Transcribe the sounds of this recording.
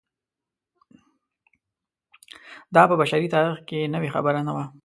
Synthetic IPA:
d̪ɑpəbaʃaɾit̪ɑɾixkenəwexa̰bəɾanawa

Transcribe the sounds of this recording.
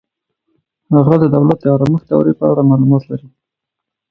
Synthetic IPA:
haɣad̪əd̪awlat̪̚d̪əjɑɾɑməxt̪awɾepəaɽamɑlumɑt̪laɾi

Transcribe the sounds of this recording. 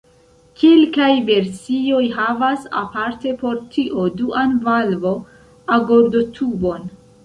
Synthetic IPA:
kelkajve̞ɾsio̞jɦavasa̰paɾte̞po̞ɾtʰiʔo̞duʔanvalvo̞ | aɡo̞ɾdo̞tʰubo̞n

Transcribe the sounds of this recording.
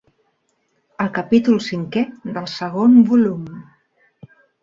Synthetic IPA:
əlˠkəpit̪ulˠsiŋkɛðəlˠsəɣombulum

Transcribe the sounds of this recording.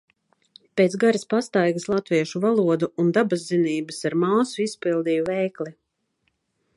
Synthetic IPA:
peːt̪sɡaɾispast̪ajɡəslˠat̪viɛʃuvalˠuɔd̪uund̪abazd̪iniːbɨsaɾmaːsuispilˠd̪iːjuvɛjkli

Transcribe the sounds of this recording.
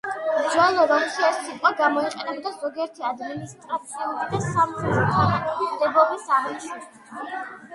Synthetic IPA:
md͡ʒwɛlˠɔɾɔmkiɛsit̪ʼqʼwaɡamɔiqʼɛnɛbɔd̪azɔɡiɛɾt̪ʰiad̪minist̪ʼɾat̪sʰiulid̪asamχɛt̪ʰt̪ʰʼimd̪ɛbɔbisamisi

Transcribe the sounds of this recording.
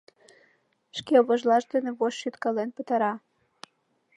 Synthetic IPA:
ʃkeβoʒlɑʃd̪eneβoʃːyt̪kɑlenpət̪ɑɾɑ

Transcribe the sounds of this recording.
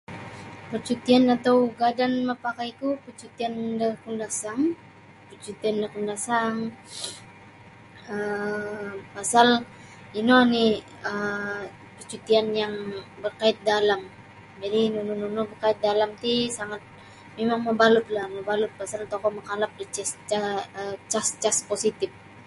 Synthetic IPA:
pərt͡ʃut̪ianat̪awɡadanməpakajk̪upət͡ʃut̪iandəkundasaŋ | pərt͡ʃut̪iandəkundasaŋ | ə | pasal | inɔni | ə | pət͡ʃut̪ianjaŋbərkaɪt̪̚dalam | d͡ʒadinunununɔbərkaɪt̪̚dalamt̪isaŋat̪̚ | memaŋməbalʊt̪̚laməbalʊt̪̚pasalt̪okɔməkalap̚dit͡ʃɛst͡ʃaət͡ʃast͡ʃasposit̪ɪf̚

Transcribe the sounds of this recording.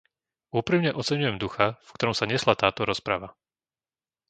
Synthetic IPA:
uːpɾimɲɛʔɔt͡sɛɲujɛmd̪uxafkt̪ɔɾɔmsaɲɛslat̪aːt̪ɔɾɔspɾaʋa

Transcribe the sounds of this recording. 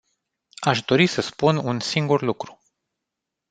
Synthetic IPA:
aʃd̪o̞ɾisəspununsiŋɡurlukɾu̥

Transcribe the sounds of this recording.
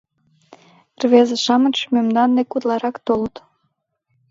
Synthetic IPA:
rβezeʃɑmənt͡ɕmømd̪ɑnd̪ekut̪lɑɾɑkt̪olət̪

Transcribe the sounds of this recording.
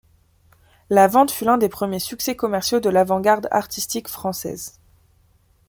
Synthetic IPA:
lavɑ̃t̪fylɛ̃d̪epχəmjesyksɛkɔmɛʁsjod̪əlavɑ̃ɡaʁd̪a̰ʁt̪ist̪ikfχɑ̃sɛ̰z

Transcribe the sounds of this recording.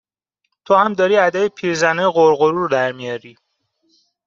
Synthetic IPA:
t̪ʰohæmd̪ɒːɾiːæd̪æjepʰiːɾzænejɣoɾɣoɾuːɾd̪æɾmijɒːɾiː

